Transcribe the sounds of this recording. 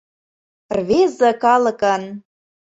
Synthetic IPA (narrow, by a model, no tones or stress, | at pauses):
rvezə̆kɑlɤ̆kən